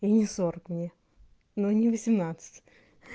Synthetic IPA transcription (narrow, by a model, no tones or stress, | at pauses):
inʲɪsoɾəkmnʲe | nonʲɪvəsʲɪmnat̪sɨ̥tʲ